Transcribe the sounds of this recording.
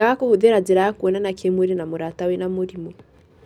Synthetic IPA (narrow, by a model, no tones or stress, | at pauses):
aakohoðeɾad͡zeɾajakwɔnanakʰemweɾenamoɾatawenamoɾimɔ